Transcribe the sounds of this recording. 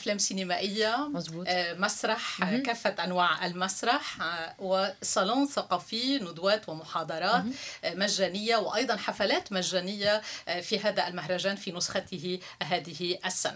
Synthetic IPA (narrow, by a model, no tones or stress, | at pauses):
ʔflaːmsinɪmaːʔɪjːamːmasɾˤɑħkaːfːat̪ʔanwaːʕʔa̰lmasɾˤɑħwɪsˤɑloːnθɑqɑːfinʊd̪waːt̪wamʊħɑːd̪ˤɑɾˤɑːt̪maʒːaːnɪjːawʔɑjd̪ˤɑnħafalaːt̪maʒːaːnɪjːafiɦaːd̪aʔalmaɦɾˤɑʒaːnfinʊsxat̪ɪɦɪɦaːðɪhɪʔasːa̰na